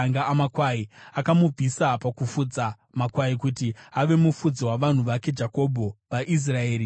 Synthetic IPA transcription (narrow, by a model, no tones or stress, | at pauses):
ŋɡaamakwaiakamub͡vʱisapakufud͡za | makwaikutiaʋe̞mufud͡ziwaʋan̤uʋake̞d͡ʒako̞bʱo̞ʋaʔis̬rae̞ːɾi